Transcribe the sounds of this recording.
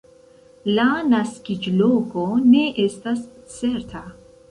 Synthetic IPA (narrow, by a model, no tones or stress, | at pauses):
lanaskid͡ʒlo̞ko̞ne̞ʔe̞stast͡se̞ɾtʰa